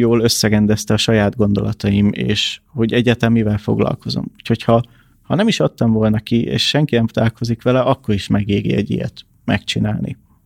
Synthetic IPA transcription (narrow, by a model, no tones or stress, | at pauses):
joːlø̞sːɛɡɛnd̪ɛst̪ɛɒʃɒjaːd̪ɡo̞nd̪o̞lɒt̪ɒjimḛːʃho̞ɟɛɟːaːt̪ɛmːivɛlfo̞̰ɡlɒ̰lko̞zo̞̰muːcho̞chɒ | hɒnɛmiʃɒt̪ːɒɱvo̞lnɒkiḛːʃʃɛŋkinɛmpt̪aːlko̞zikʋɛlɛʔɒkːo̞ɾiʃmɛɡeːɡḭɛ̰ɟḭjɛ̰t̪ | mɛkt͡ʃinaːlnʔḭ